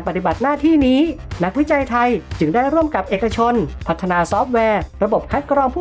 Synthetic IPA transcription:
npa˨˧t̪i˨˩ba˨˩t̪̚naː˥˩t̪ʰiː˥˩niː˦˥na˦˥k̚wi˦˥t͡ɕa˧jt̪ʰa˧jt͡ɕɯ˧ŋdaː˥˩jɾuː˥˩əmka˨˩p̚ʔeː˨˩ka˧t͡ɕʰo˧npʰa˨˩t̪ʰːa˧naː˧sɔː˦˥p̚wɛː˧ɾa˧bo˨˩p̚kʰa˦˥kɾɔː˧ŋpʰuː˥˩

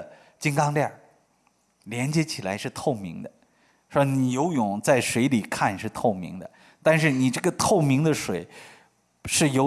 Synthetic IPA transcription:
t͡ɕi˥ŋkɑ˥ŋljɑ˥˩ | ljɛ˧˥nt͡ɕjɛ˧˥t͡ɕʰi˨˩la˧˥ɪʂɻ̩˥˧t̪ʰo˥˩ʊmḭ˧˥ŋd̪ə˧ | ʂɔ˧˥ni˨˩jo˧˥ʊjʊ˨˩˦ŋt͡sa˥˩ɪʂwe˧˥ɪli˨˩kʰa˥˧nʂɻ̩˥˧t̪ʰo˥˩ʊmḭ˧˥ŋd̪ə˧ | t̪a˥˧nʂ̬ɻ̩˥˩ni˨˩ʈ͡ʂɤ˥˩ɡə˩t̪ʰo˥˩ʊmi˧˥ŋd̪ə˧ʂwe˨˩ɪ | ʂɻ̩˥˩jo˧˥

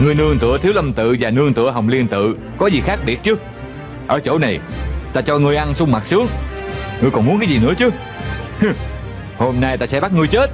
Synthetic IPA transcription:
ŋɨ˧əjnɨ˧əŋt̪ɨ̰˧˩ət̪ʰi˨˦wlə˧mt̪ɨ̰˧˨vaː˨˩nɨ˧əŋt̪ɨ̰˧˥əɦə˨˩wŋ͡mli˧ənt̪ɨ̰˧˨ | kɔ˨˦zi˨˩xaː˦˥k̚ɓi˨˩ət̚t͡ɕɨ˨˦ | ʔəː˧˩t͡ɕo̰˧˩na˨˩jt̪aː˧t͡ɕɔ˧ŋɨ˧əjʔa˧nsʊ˧ŋ͡mma˨˩t̚sɨ˨˦əŋŋɨ˧əjkɔ˨˩nmu˨˦nkaː˨˦jzi˨˩nɨ̰˧˥ət͡ɕɨ˨˦ | ho˧mnaː˧jt̪aː˧sɛ̰˧˥ɓa˦˥t̚ŋɨ˧jt͡ɕe˦˥t̚

